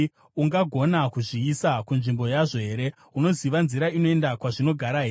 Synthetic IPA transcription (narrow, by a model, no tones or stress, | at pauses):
uŋɡaɡʱo̞nakuʐiisakunʐimbo̞jaʐo̞ɦe̞ːɾe̞ | uno̞ziʋanziɾaino̞endakwaʐino̞ɡʱaɾaɦeː